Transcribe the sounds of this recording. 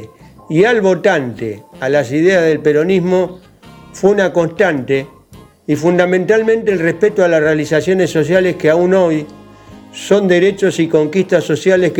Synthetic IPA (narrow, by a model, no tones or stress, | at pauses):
ialβo̞t̪ant̪ealasiðeazðelpeɾo̞nizmo̞ | fweunako̞nst̪ant̪e | ifund̪amẽnt̪almẽ̞nt̪eːlrehpet̪oalasrealisasjo̞ne̞sːo̞s̬jaleskeauno̞j | so̞nd̪e̞ɾet͡ʃo̞siko̞ŋkist̪aso̞sjalehk